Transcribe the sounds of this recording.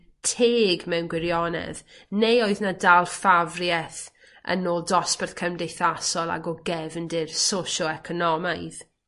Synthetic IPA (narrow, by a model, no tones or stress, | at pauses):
tʰeːɡmɛwnɡwɪɾjɔnɛ̰ðnejoɨðnadalˠfavrjɛθ | ʔə̰noːlˠdɔspɛrθkʰəmdejθasɔlˠa̰ɡɔɡɛvndɪrsoʃɔɛkʰɔnɔmajð